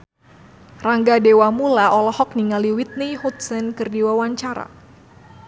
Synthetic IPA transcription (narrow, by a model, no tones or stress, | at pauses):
raŋɡadewamulaʔɔlɔhɔk̚niŋaliwit̪̚nihut̪̚sənkɨrdiwawaɲt͡ʃaɾa̰